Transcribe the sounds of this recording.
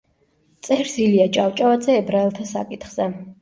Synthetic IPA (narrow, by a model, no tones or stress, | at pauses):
t̪sʼɛɾsiliat͡ʃʼawt͡ʃʼavad̪zɛːbɾaɛlˠt̪ʰasa̰kʼit̪χz̥ɛ